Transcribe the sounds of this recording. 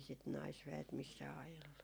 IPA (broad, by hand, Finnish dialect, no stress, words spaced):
sit nɑisʋæet misːæː ɑjelːu